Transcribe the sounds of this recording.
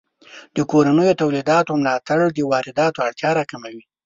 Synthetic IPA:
d̪̥əkoɾanəjot̪awlid̪ɑt̪oamlɑt̪aɽd̪əwɑɾɪd̪ɑt̪oaɽt̪jɑɾɑkamawi

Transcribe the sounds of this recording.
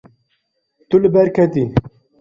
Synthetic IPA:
t̪ulɨbɛɾkʰɛt̪i

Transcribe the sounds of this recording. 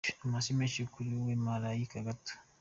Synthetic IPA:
masimɛʃekuluwemalajikaɡat

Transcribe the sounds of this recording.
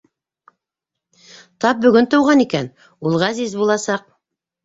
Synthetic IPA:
t̪ɑp̚bɵ̆ɡɵnt̪ɤ̆wʁɑnikæn | ulˠʁæzizbulˠɑsɑq̚

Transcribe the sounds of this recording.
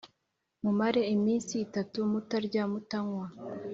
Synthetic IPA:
mumaɾe̞imiːnsiːtatumutaɾɟamutaŋwa

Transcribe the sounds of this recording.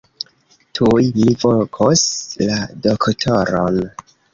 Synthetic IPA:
tʰujmivolkʰosladoktʰoɾo̰n

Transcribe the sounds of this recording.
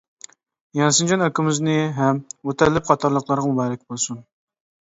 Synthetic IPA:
jɑnsɨnd͡ʒɑnøkʲɪmɪznɪɦɛmot̪ʰɛɾlːɪp̚qʰɑt̪ʰɑɾlˠəqlˠɑɾʁɑmubɑːɾɪkʲbolˠsun

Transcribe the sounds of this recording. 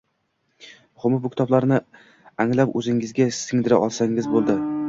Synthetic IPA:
mʊχʊmɪbʊkʲɪ̥t̪ʰɒblaɾnɪ | aŋlapɵzɪŋɪzɡʲasɪŋd̪ɪɾaʔɒlˠsaŋɪzbolˠd̪ɪ

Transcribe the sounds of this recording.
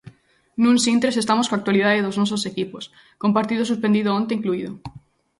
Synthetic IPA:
nũnsint̪ɾesest̪amoskoak̚t̪waliðaðeðoznɔs̬osekipos | kompaɾt̪iðosuspend̪iðoõnt̪eiŋkluiðo

